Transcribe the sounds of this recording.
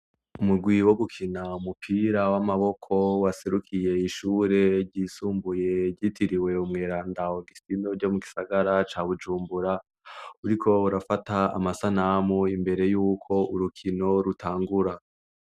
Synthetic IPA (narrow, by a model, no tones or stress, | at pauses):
umuɡwiwoβukʰinaumupʰiːɾawamaβo̞kʰo̞waseɾukʰije̞iʃuːɾe̞ɾɟisuːmbuje̞ɟitʰiɾiwe̞umŋeːɾaːndaoɡistino̞ɾɟo̞muɡisaɡaɾat͡ʃaːβud͡ʒuːmbuɾa | uɾikʰo̞uɾafataa̰masanamoimbe̞ɾe̞juːkʰo̞ʔuɾukʰino̞ɾutʰaːŋɡuɾa